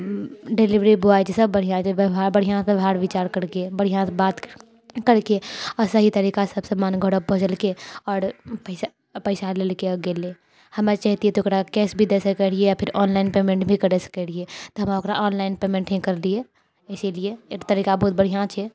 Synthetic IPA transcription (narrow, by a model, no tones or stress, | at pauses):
ɖeliʋɾibuajt͡ʃʰesəbːəɽ̤ijãt͡ʃʰɛbʱabəɽ̤ijãbebʱaːɽʋɪt͡ʃaːɾkəɾkebəɽ̤ijãbaːt̪ | kəɾkeɔɾsəɦit̪əɾiːkasəbsəmaːnɡʱəɽəbʱod͡ʒəlkeɔːɾpəɪs | pəɪsaleːlkeɔɡele | həmet͡ʃaɦt̪iet̪ooːkɾakɛːsbʱid̪esəkːɛɽ̤iejapʰɪɾɔːnlaɪnpeːmẽɳʈbʱikəɾɛsə̥kɛɽiet̪ɔɦəmaokɾaʔɔːnlaɪnpeːmẽɳʈɦɛ̃kəɾlie | ɛsilieet̪əɾiːkabɔɦʊt̪̚bəɽ̤ijãt͡ʃʰɛ